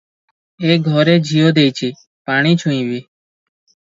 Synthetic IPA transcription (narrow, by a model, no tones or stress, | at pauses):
eːɡʱɔɾeːd͡ʒʱijoːd̪eːit͡ʃʰiː | paːɽ̃iːt͡ʃʰuĩːʋiː